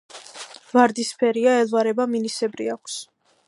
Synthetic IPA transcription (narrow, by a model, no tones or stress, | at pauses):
vaɾd̪ispʰɛɾiaɛlˠvaɾɛbaminisɛbɾḭakʷʰs